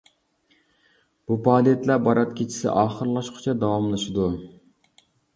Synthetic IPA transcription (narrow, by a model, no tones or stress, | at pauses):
b̥upʰɑːd̪ijɛt̪læɾbɑɾɑt̪kʲʰit͡ʃʰi̥sɪ̰ʔɑːχəɾlˠɑʃqʰʊ̥t͡ʃʰɛd̪ɑwɑmlˠɨʃɪd̪u